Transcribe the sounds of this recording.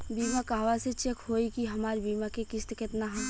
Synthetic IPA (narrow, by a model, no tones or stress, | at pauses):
biːmakaːʋaset͡ʃekɦoːikiɦɐmaːɾbiːmakekɪst̪kɪt̪naɦɐ̃